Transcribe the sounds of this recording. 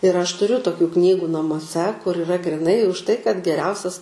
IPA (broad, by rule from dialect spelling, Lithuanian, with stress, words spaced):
ɪr ɐʃ tʊˈrʲʊ toːˈkʲuː ˈknʲiːɡʊ nɐmuɔˈsʲɛ kʊr ɪˈrɐ ɡrʲiːˈnɐɪ ʊʃ tɐɪ kɐt ɡʲɛˈrʲɛʊsʲɛs